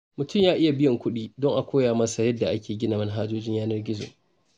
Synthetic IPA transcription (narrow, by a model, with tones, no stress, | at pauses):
mʊ˨tʊ˦˨mjaː˦ʔɪ˦ja˨bɪ˦jɐ˨ŋkʷʊ˦ɗiː˦dɔ˦ŋʔa˨kʷoː˦jaː˨mɐ˦sa˨jɐ˦dːa˨ʔa˦kʲeː˨ɡʲɪ˦naː˨mɐ˦nɦaː˦d͡ʒoː˦d͡ʒɪ˦ɲjaː˦nɐ˦rɡʲɪ˦zo̰ː˨